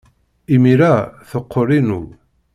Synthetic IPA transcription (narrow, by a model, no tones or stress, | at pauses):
imiɾæθoqʰːoɾˤinu